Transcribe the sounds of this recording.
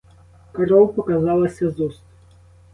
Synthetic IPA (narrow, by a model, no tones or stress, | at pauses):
kɐɾɔwpɔkɐzɑlˠɐsʲɐzʊst̪